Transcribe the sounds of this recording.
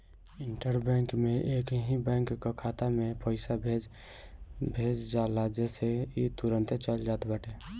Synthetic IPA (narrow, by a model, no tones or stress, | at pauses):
ɪɳʈəɾbɛ̃ːŋkmẽʔeːkɦĩbɛ̃ːŋkːakʰaːt̪amẽpəɪsabʱeːd͡ʒ | bʱeːd͡ʒd͡ʒaːlad͡ʒɛseit̪ʊɾə̃nt̪t͡ʃəld͡ʒaːt̪bəʈe